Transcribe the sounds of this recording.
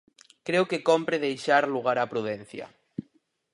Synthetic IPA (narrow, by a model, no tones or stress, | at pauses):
kɾeokekompɾeðejʃaɾluɣ̞aɾapɾuðɛn̟θjɐ̰